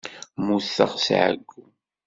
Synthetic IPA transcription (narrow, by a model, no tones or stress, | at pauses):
musːə̰ʁsʕə̰ɡːu